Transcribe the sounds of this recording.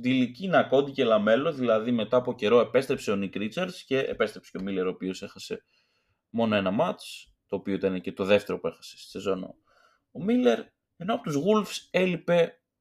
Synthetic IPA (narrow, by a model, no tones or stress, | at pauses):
d̪ilicinɐko̞d̪icelɐme̞lo̞ðilɐðime̞t̪ɐːpo̞ce̞ɾo̞e̞pe̞st̪ɾepse̞o̞nikɾit͡sɐɾsce̞ḛpe̞st̪ɾepse̥co̞mile̞ɾopio̞se̞xɐse̞ | mo̞no̞e̞nɐmɐt͡s | t̪o̞ːpio̞it̪ɐnecet̪o̞ðe̞ft̪e̞ɾo̞pue̞xɐ̥sessezo̞no̰ | omile̞ɾ | e̞no̞ɐpot̪uzɣulfse̞lipe̞